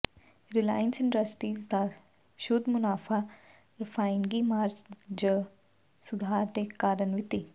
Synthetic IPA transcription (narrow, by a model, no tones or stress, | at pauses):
ɾɪlaːjənsɪɳɖɾɐsʈiːzd̪a | ʃod̪mʊnaːfa | ɾɪfaːjɪŋɡimaːɾd͡ʒd͡ʒə | sʊd̪ʱaːɾt̪ekaːɾənʋɪt̪i